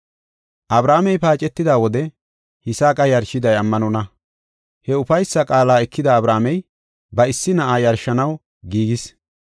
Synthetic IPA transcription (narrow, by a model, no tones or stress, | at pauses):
ʔɐbɾaːmɛjpaːt͡ʃʼɛt̪ːɪd̪aːwɔd̪ɛ | hɪsaːkʼɐjɐɾʃɪd̪ɐjɐmːɐnɔnɐ | hɛʊfɐjsːɐkʼaːlaːɛkʰːɪd̪aːbɾaːmɛj | bɐɪsːɪnɐʔaːjɐɾʃɐnɐw | ɡiːɡɪs